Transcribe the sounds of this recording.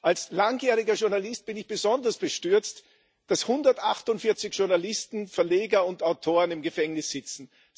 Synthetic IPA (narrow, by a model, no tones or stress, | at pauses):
ʔalslaŋjeːʁɪɡɐʃʊɐnalɪst̚b̥ɪnɪçb̥əzɔndɐsb̥əʃtʏɐt͡st | d̥ashʊndɐtʔaχtʊntfɪɐt͡sɪçʃʊɐnalɪstn̩fɛɐleːɡɐʊntaʊtʰoːʁənɪmɡəfɛŋnɪsz̥ɪt͡sn̩